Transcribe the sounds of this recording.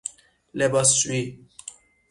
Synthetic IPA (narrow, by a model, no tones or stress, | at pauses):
lɛbaswi